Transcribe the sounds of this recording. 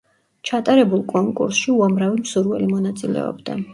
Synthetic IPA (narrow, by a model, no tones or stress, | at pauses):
t͡ʃʰat̪ʼaɾɛbulˠkʼɔŋkʼṵɾsʃiuamɾavimsuɾvɛ̰limɔnat̪sʼilɛ̰ɔ̰bd̪a̰